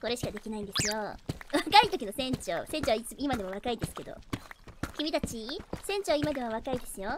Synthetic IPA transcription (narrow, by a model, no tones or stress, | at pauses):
ko̞ɾe̞ɕi̥kad̪e̞kʲinaĩnd̪e̞sɨjoβakait̪o̞kʲino̞sẽ̞ɲ̟t͡ɕo̰ːsẽ̞ɲ̟t͡ɕoβait͡sɨimad̪e̞moβ̞akaid̪e̞sɨ̥ke̞d̪o̞̰ | kʲimʲit̪at͡ɕisẽ̞ɲ̟t͡ɕoaimad̪e̞maβ̞akaid̪e̞sɨjo̞